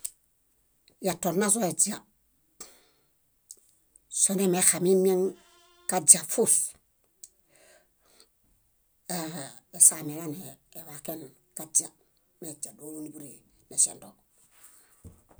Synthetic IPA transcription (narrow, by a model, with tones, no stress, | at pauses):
jato˨ɾna˦s̬oe˨t͡ʃa | sonemexami˦me˦ŋ | kad͡ʒa˨fu˦f | e˨same˨laneː˨waken | kad͡ʒa | med͡ʒa˨do˦ni˨bu˦ɾe˨ne˨sḛ˨ndo